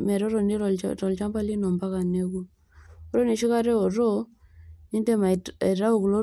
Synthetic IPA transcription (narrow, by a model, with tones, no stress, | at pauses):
mɛ˨ɾɔ˦ɾɔ˨ni˦ɔɾɔ˨lt͡ʃa˦mba˦li˦nɔ˨mba˦ka˨ne˦ɡu˦ | o˨ɾo˦ne˨ʃi˦ka˦ɾɛ˦ɔ˨ɾo˦ | ni˦ndɛ˦ma˨ɾa˦u˦˨klo˦